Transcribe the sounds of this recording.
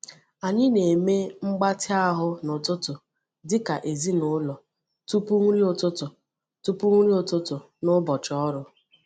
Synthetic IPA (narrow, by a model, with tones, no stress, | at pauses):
a˨ɲɪ˦ne˨me˦ŋ͡m̩˦ɡ͡ba˦tʰɪ˦a˦ɦʊ˦nʊ˨tʊ˦tʊ˨ | dɪ˦ka˨ʔe˨zi˦nʊ˦lɔ˨ | tu˦pu˦ŋʷu˦ɾi˦ʊ˨tʊ˦tʊ˨ | tu˦pu˦ŋʷu˦ɾi˦o˨tʊ˦tʊ˨ | nʊ˦bɔ˨t͡ʃɔ˦ɾʊ˦